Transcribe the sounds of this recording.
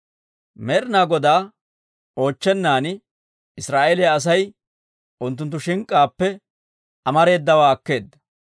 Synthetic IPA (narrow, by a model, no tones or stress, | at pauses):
mɛɾnaːɡɔd̪aː | o̞ːt͡ʃːɛnːaːn | ɪsɾaːʔeːlɛjaɐs̬ɐj | ʔʊnt̪̬ːʊnt̪ːʊʃɪŋkʼːaːpːɛ | ʔɐmɐɾe̞ːd̪ːɐwaːɐkːe̞ːd̪ːɐ̥